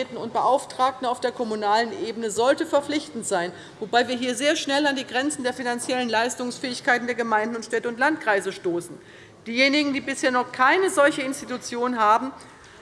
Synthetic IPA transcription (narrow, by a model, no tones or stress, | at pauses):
tn̩ʊ̰nt̚b̥əʔaʊftʁ̥aːk̚tn̩aʊfd̥eːɐkʰɔmunaːlənʔeːbənəzɔltəfɛɐflɪçtn̩tz̥aɪn | vobaɪviːɐɦiːɐzeːɐʃnɛlandiːɡʁɛnt͡sn̩deːɐfinant͡sjɛlənlaɪstʊŋsfɛːɪçkaɪtn̩d̥eːɐɡəmaɪndn̩ʊntʃtɛtəʊnt̬lantkʁ̥aɪzəʃtoːsn̩ | d̥iːjeːnɪɡŋ̩diːbɪsheːɐnɔχkʰaɪnəzɔlçəɪnstitut͡sjoːnɦaːbm̩